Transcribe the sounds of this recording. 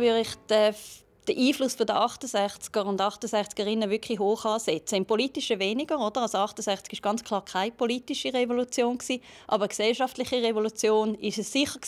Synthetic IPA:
vʏdɪχd̥ɛf | d̥əʔiːflʊsfodəʔɑχtəsɛχt͡sɡ̥əʁʊndɑχtəsɛχt͡sɡ̥əʁɪnəvʏkʰliɦoːχɑːsɛt͡səɪmpoliːtɪʃəveːnɪɡ̥əʁod̥əʁɑsoɑχtəsɛχt͡sɡɪʃɡ̥ɑnt͡skʰl̥ɑːʁkʰaɪpʰoliːtiʃiʁɛvolut͡sjoːnksiː | ʔɑ̰ːbəʁəksɛlʃɑftlɪχiʁevolut͡sjoːnɪʃəsːɪχək

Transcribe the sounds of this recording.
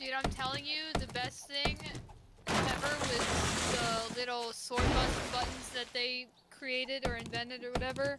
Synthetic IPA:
ɨãɪ̃mtʰɛlˠɪ̃ŋjʉðɨbɛsθɪ̃ŋ | ɛvə˞wɪððəlɪɾl̩ˠsɔɹ̚bʌ̃nnbʌʔn̩zðɨt̪̚ðeɪ | kʰɹ̥ieɪɾɨɾə˞ɨ̃ɱvɛ̃ntɨɾə˞wʌɾɛvə˞

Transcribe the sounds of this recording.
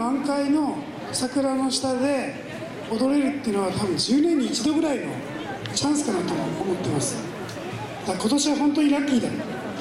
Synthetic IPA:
mãŋkaino̞ | sakɯ̟ɾano̞ɕi̥t̪ad̪e̞ | od̪o̞ɾe̞ɾɯ̟t̪ːeiɯ̟noβ̞at̪ʰabɯ̟̃ɲd͡ʑɨːnẽ̞ɲ̟ːiːt͡ɕid̪o̞ɡɯ̟ɾaino̞̰ | t͡ɕãɰ̃sɨ̥kanat̪oːmo̞t̪ːe̞masɨ̥ | j̪ako̞t̪o̞ɕiβaɦõ̞nt̪̬o̞ɲ̟iɾakʲːiːd̪a

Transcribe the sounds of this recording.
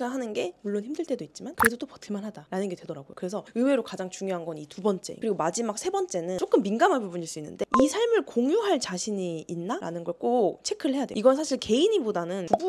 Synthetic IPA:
anɦanɯnɡe̞muɭːonçimdɯɭt͈e̞doit̚t͡ɕ͈imankɯɾe̞dot͈opʌtʰɯɭmanɦadaɾanɯnɡe̞dwe̞dʌɾaɡojo̰kɯɾe̞sʰʌɯwe̞ɾokad͡ʑaŋt͡ɕuŋjoɦanɡʌnitubʌnt͡ɕ͈e̞̰kɯɾiɡomad͡ʑimak̚sʰe̞bʌnt͡ɕ͈e̞nɯok͈ɯmːinɡamɦaɭbubuɲiɭs͈uinːɯ̰nde̞isʰaɭmɯɭkoŋjuɦaɭt͡ɕaɕʰiɲiːnːaɾa̰nɯnɡʌɭk͈ot͡ɕʰe̞kʰɯɾɯɭhe̞jadḛiɡʌnsʰaɕʰiɭke̞iɲibodanɯnubu

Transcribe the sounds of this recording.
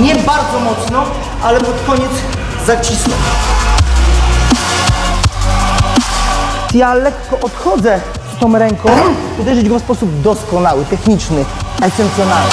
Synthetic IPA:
ɲɛbaɾd̪zɔmɔt̪snɔ | ʔalɛpɔt̪kɔɲɛd̪z | zat͡ɕiskɔm | jalɛkːɔʔɔt̪xɔd̪zɛ | st̪ɔ̃w̃ɾɛŋkɔ̃w̃ | ud̪ɛʐɘd͡ʑɡɔfspɔsubd̪ɔskɔnawɘt̪ɛxɲit͡ʂnɘɛsɛnt̪sjɔnalnɪ

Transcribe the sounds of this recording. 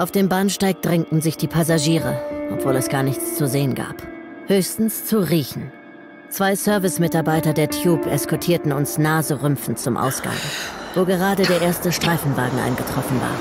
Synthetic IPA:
ʔaʊfd̥eːmbaːnʃtaɪk̚d̥ʁɛŋ̚tn̩zɪçd̥iːpʰasaʒiːʁə̰ʔɔpv̥oːlɛsɡ̥aːɐnɪçt͡st͡suzeːənɡa̰ːphøːçstn̩st͡suʁiːçn̩ | t͡sv̥aɪsœɐvɪsmɪtaɐbaɪtɐdeːɐtʰjuːpʰɛskʰɔtʰiːɐtn̩ʊnsnaːzəʁʏmfn̩t͡sʊmʔa̰ʊsɡ̥a̰ŋvoːɡəʁ̞aːdədeːɐʔeːɐstəʃtʁ̥aɪfn̩vaːɡŋ̩ʔa̰ɪnɡətʁ̥ɔfn̩va̰ːɐ

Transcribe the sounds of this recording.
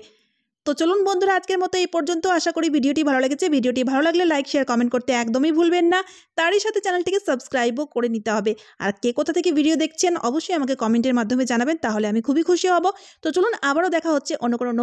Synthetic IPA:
t̪ot͡ɕolunbɔnd̪ʱoɾaad͡ʑkeɾmɔt̪oejpɔɾd͡ʑont̪oaʃakoɾibʱiɖioʈibʱaloleɡet͡ɕʰebʱiɖioʈibʱalolaɡlelajkʃeaɾkɔmeɳʈ̚koɾt̪eɛkd̪omijbʱulbenːa | t̪aɾiʃat̪ʰet͡ɕɛnelʈekesəbskɾajbokoɾenit̪eɦɔbea̰ɾkekot̪ʰat̪ʰekebʱiɖiod̪ekʰt͡ɕʰenɔ̰boʃːojamak̬ekɔmeɳʈeɾmad̪ʱːomed͡ʑanabent̪aɦoleamikʰubikʰuʃiɦɔbot̪ot͡ɕolunabaɾod̪ɛkʰaɦotːɕʰeʔonːokonono

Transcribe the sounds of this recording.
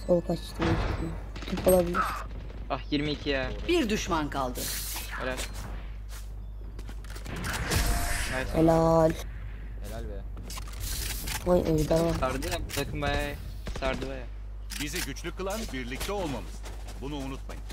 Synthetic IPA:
solˠukat͡ʃʰʃt̪ʰɯmaki̥t̪ʰi | t̪ʰipʰo̞lˠabilʲiɾ̥ | ahjiɾmiːcʰijabiɾd̪yʃmankʰalˠd̪ɯ | heɾalʲ | bajselʲalʲ | helælʲbɛ | hajʔɛjd̪aɾsaɾd̪ɯjabut̪ʰakʰɯmbajaj | saɾd̪ɯbaja | biziɟyt͡ʃlʲykʰːɯlˠanbiɾlʲic̚t̪ʰɛolˠmamɯz̥ | bunuːnut̪̚ma̰jɯm

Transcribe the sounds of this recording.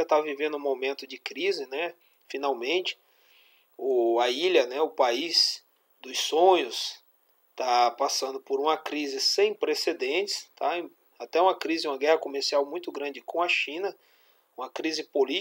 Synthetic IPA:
ɐt̪avivẽnd̪ʊũmomẽnt̪ʊd͡ʒɪkɾizɪnɛ | finawmẽnt͡ʃɪ̥ | ʊaiʎɐnɛʊpaiz | d̪ʊssõɲʊs | t̪apasɐ̃nd̪ʊpoɾũmɐkɾizɪsẽj̃pɾesed̪ẽt͡ʃɪ̥st̪ʰã | at̪ɛũmɐkɾizɪũmɐɡɛhɐkomeɾsiawmũj̃t̪ʊɡɾɐ̃d͡ʒɪkõɐʃĩnɐ | ũmɐkɾizɪpoli

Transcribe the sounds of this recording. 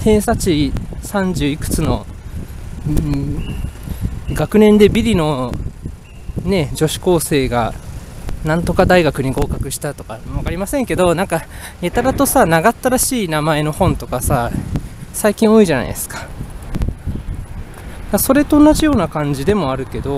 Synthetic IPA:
hẽ̞ːsat͡ɕisãɲd͡ʑɨːikɯ̟̥t͡sɨno̞̰ | ɡakɯ̟nẽ̞nd̪e̞bʲiɾʲino̞ | ne̞d͡ʑo̞ɕi̥ko̞ːse̞ːɡa̰ | nãnt̪o̞kad̪aiɡakɯ̟ɲ̟iɡo̞ːkakɯ̟ɕi̥t̪at̪o̞kaakaɾʲimasẽ̞ŋke̞d̪o̞nãŋka | jet̪aɾat̪o̞sanaɡat̪ːaɾaɕiːnamae̞no̞hõ̞nt̪o̞kasa | saikʲĩo̞iʑana̰ḭd̪esɨ̥kḁ | d̪aso̞ɾe̞t̪o̞ːnːaʑijo̞ːnakãɲ̟d͡ʑid̪e̞mo̞aɾɯ̟ke̞d̪o̞

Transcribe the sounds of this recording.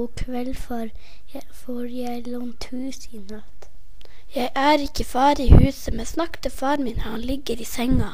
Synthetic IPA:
kʰʋɛlfɔɾ | fɔɾjæɪlɔnt̪ʰʉːsinɑt̪ | jæɪʔæːɾɪkːəfɑːɾiːhʉːsəmɛnsnɑkt̪ʰəfɑːɾmiːnəhɑnlɪɡːəɾiːsɛŋɑ

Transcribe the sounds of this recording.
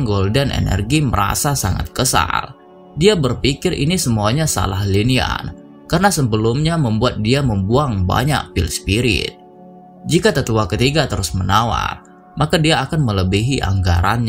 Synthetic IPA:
ŋɡoldɛnʔḛnɛ̰rɡiməɾa̰sasaŋa̰t̪̚kəsa̰l | diabərpikɪrʔḭnisəmuaɲasa̰lahlinia̰n | karənasəbəlumɲaməmbuat̪̚diaməmbuaŋba̰ɲa̰ʔ̚pɪlspiɾɪ̰t̪̚ | d͡ʒikat̪ət̪uakət̪iɡat̪əɾʊsmənawa̰r | makadiaːkanmələbiɦiʔa̰ŋɡa̰ɾanɲa

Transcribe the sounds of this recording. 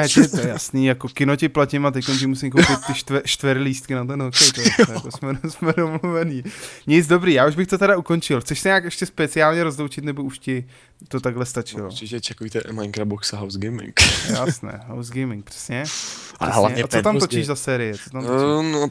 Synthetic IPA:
ɛɛt̪ojɛjasniːjakokɪnocɪplacɪmat̪ɛcko̞nc̬ɪmusɪmk̬owpɪt̪ːɪʃt̪ɛʃt̪vɛɾɪliːst̪̚kɪnat̪̬ɛnɦokɛjt̪oɛjakosmɛsmɛdomluvɛniːɲɪd͡zdo̞bɾiːjaːuʒbɪxt̪ot̪ɛɾauko̞nt͡ʃɪlxt͡sɛʃsɛɲaːkɛʃcɛspɛt͡sɪaːlɲɛɾo̞zlowt͡ʃɪt̪nɛbouʃcɪ | t̪ot̪aɡɦlɛst̪at͡ʃɪlo̰ʒɛt͡ʃakovit̪ɛʔmaɪ̃ŋkɾaboksaɦawzɡejmɪ̰ŋkjjasnɛ̰ːɦawzɡejmɪŋk̚pr̥ɛ̥sɲɛaɦla̰ɛɲɛat͡sot̪amt̪ot͡ʃiʒzasɛːɾɪjɛt͡sot̪amt̪no

